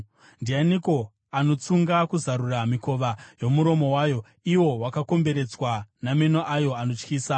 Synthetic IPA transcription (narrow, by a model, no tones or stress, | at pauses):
ndianiko̞ | ano̞t͡suŋɡakuzaɾuramiko̞ʋajo̞muɾo̞mo̞waːjo̞ | iwo̞wakako̞mbe̞ɾe̞t͡swanamenoʔajo̞ano̞t͡ʃkiːsa